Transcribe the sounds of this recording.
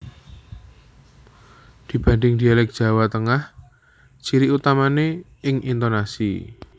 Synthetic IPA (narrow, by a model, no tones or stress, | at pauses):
d̪̥i̤b̥anɖɪŋd̪̥ialɛk̚d̥ʒ̥ä̤wat̪əŋah | t͡ʃiɾiʔut̪amane | ɪŋint̪onasḭ